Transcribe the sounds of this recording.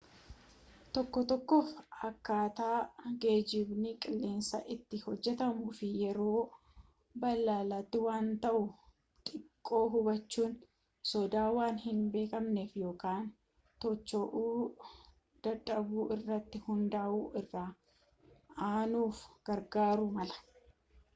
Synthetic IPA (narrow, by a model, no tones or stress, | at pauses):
t̪ɔkːɔt̪ɔkːoːfɐkːaːt̪aːɡe̞ːd͡ʒɪbnɪkʼɪlːe̞ːnsɐ̰ʔɪt̪ːɪhɔd͡ʒːɛt̪ɐmuːfɪjɛɾo̞ː | bɐlːaːlɐt̪ːɪwaːnt̪ɐʔʊ | t̪ʼɪkʼːo̞ːɦʊbɐt͡ʃːuːn | sɔd̪aːwaːnhɪnbe̞ːkɐmneːfjo̞ːkaːn | t̪ɔt͡ʃːoʔuː | d̪̥ɐᶑʼɐbuːɪrːɐt̪ːɪhʊnd̪aːʔuːʔɪrːaː | aːnuːfɡ̥ɐɾɡaːɾʊmɐlɐ̥